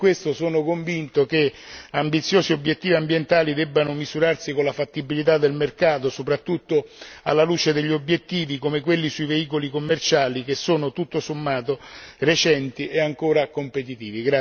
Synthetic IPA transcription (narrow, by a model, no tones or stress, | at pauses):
kwest̪osoːnokoɱvint̪okeambit̪sːjoːziobːjet̪ːiːviambjent̪aːlid̪ɛbːanʊmizuɾarsikonlafat̪ːibilit̪̬ad̪ːelmerkaːt̪osopɾat̪ːut̪ːoa̰lːaluːt͡ʃed̪eʎːiobːjet̪ːiːvikomek̬welːisuiveiːkolikomːert͡ʃaːlik̟esːoːnot̪ut̪ːosomːaːt̪oret͡ʃɛnt̪iʔeaŋkoːɾakompet̪̬it̪iːviɡɾa